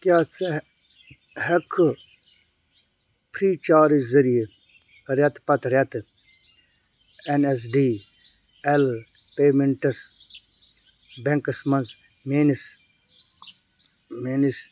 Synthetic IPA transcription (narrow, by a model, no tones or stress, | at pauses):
kjaːt͡s | hɐkʰɨ | pʰɾiːt͡ʃaːɾizɐɾij | ɾʲɐt̪pɐt̪ɾʲɐt̪ | enes̬ɖiː | elpeːmeɳʈɐs | beŋkɐsmɐnz | meːnis | meːnis